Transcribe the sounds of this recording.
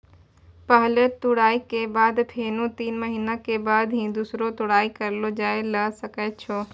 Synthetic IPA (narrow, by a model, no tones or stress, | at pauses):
pəɦələt̪ʊɽaːikeːbaːd̪t̪ʰeːnũt̪iːnməɦiːnakebaːd̪ɦĩːd̪uːsɾot̪ʊɽaːikɐɾlod͡ʒaːelɐsɐkəːt͡ʃʰoː